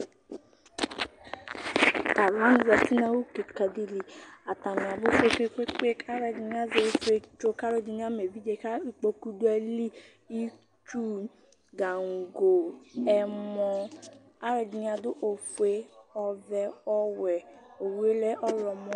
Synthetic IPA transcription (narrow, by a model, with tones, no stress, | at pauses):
a˨lɔ˨˦n˦za˨ti˦nã˦wu˦ke˨ka˨di˦li˨a˨ta˨mĩ˨a˨bʊ˦fe˦ke˦ke˦k͡pe˦ka˦ɾɛ˧di˨n˦a˦ze˧˦fu˦e˧t͡ʃo˦ka˦ɾe˦d͡ʒi˧n˦a˦me˨vi˦d͡ʒe˧˨ka˦i˦k͡po˧ku˦du˦ɛ˧li˦ | i˦ | t͡ʃu˦ | ɡa˨ŋ̩˨ɡo˨ɛ˨mɔ˧ | a˦ɾɛ˧di˨n˦a˧dʊ˦ʔo˨fe˦ɔ˧vɛ˧ɔ˦wɛ˨o˨wu˦e˦lɛ˦ʔɔ˦ɾɔ˨mɔ˦